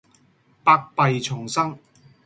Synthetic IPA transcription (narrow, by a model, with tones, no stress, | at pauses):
paː˧k̚pɐ˨jt͡sʰʊ˨˩ŋsɐ˥ŋ